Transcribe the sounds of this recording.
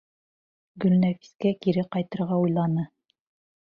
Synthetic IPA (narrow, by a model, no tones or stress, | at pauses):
ɡɵ̆lnæfi̥skækiɾɘqɑjt̪ɤ̆ɾʁɑujlˠɑnɤ